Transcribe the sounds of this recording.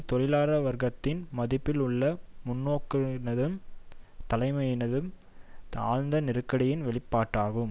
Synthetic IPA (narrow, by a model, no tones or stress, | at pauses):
t̪ɔɾɪlaːɾɐʋɐɾɣɐt̪ːɪnmɐðɪpːɪlʊɭːɐmʊnːoːkːɯnɐðɯmt̪ɐlɐɪmɐjɪnɐðɯm | a̰ːɻnd̪ɐnɪɾɯkːɐɽɪjɪnʋɛɭɪpːaːʈːaːɣɯm